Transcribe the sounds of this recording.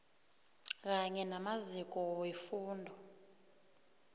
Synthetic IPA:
k̬aɲɛnamazik̬ʼɔwefuːndʱɔ

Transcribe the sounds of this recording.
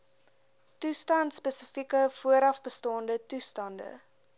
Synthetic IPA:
tustɐntspɛsəfikəfuəɾɐfbəstɑːndətustɐndə̰

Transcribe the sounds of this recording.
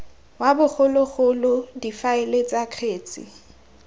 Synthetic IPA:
wabʊχʊlʊɣʊlʊdifaelet͡sʼakʰeːt͡sʼɪ̰

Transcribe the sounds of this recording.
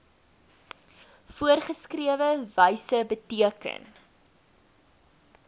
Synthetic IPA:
fuərχəskriəvəvəjsəbətiəkə̰n

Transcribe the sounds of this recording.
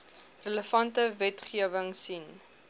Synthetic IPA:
rələfɐntəvɛtχiəvəŋsin

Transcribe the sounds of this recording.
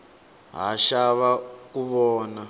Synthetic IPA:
ɦa̰ʃaβakuβɔːna

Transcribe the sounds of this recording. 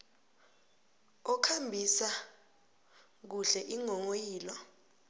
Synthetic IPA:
ɔkʰambʱisa | k̬uɬɛʔiŋɔŋojiːlɔ

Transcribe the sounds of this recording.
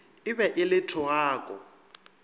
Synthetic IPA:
ɪbɛʔɪlɪtʰɔwaːkʼɔ̰

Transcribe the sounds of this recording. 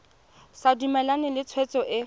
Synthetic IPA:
sadumɛlanɪlɪt͡sʰwɛt͡sʼɔʔɪ

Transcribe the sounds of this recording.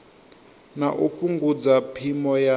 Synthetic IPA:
naʔuɸuŋɡud͡zapʰimɔja

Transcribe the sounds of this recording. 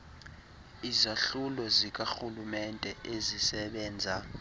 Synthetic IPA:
izaɬulɔzik̬ʼaxulumɛntʼɛʔezisɛɓɛːnd͡zʱa

